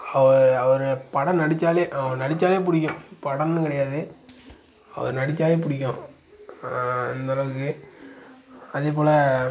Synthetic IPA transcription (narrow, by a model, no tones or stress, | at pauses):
ɐʋɐɾɐʋɐɾɯpɐɽɐnɐɽɪt͡ʃːaːleːʔɐʋɾnɐɽɪt͡ʃːaːleːpʊɽɪk̬ʲːʊ̃pɐɽɐnːɯkɐɽɐjaːðɯ | ɐ̰ʋɐ̰ɾnɐɽɪt͡ʃːaːleːp̬ʊɽɪkʲːʊ̃ | ɛ̰nd̪ɐːlɐʋɯkːɯ | ɐðeːp̬oːlɐ